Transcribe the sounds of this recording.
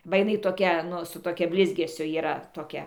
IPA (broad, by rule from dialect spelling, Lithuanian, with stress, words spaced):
bɐ jɪˈnɐɪ toːˈkʲɛ ˈnʊ sʊ toːˈkʲɛ ˈbʲlʲɪzʲɡʲɛsʲʊ iːˈrɐ toːˈkʲɛ